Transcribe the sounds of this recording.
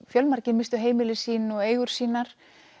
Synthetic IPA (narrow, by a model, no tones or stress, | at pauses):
fjœlmaɾcɪmɪst̪ʏɦeːjmɪlɪsiːnɔɣeːjɣʏɾ̥siːnaɾ̥